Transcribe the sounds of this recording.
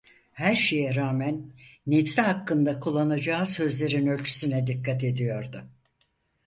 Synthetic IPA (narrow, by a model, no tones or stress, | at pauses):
hæɾʃe̞jɛɾaːmænːefsiɦakʰːɯnd̪akʰulˠːanad͡ʒaːsø̞zlʲe̞ɾinø̞lʲt͡ʃʰy̥synɛd̪ikːat̪e̞d̪ijo̞ɾd̪ʊ